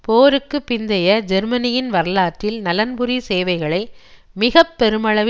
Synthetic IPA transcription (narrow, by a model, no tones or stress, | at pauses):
poːɾɯkːɯpːɪnd̪ɐjɐd͡ʒɛɾmɐnɪjɪnʋɐɾɐlaːʈːɪlnɐlɐnbɯɾiseːʋɐɪɣɐɭɐɪ | mɪɣɐpːɛɾɯmɐɭɐʋ